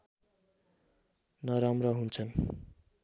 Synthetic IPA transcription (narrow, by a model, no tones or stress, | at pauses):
nʌɾamrʌɦunt͡sʰʌn